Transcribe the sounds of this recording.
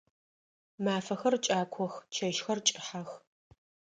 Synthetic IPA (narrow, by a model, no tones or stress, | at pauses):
maːfɐxɐrt͡ʃʼaːkʷʰɔxt͡ʃʰɐʃxɐrt͡ʃʼɪħax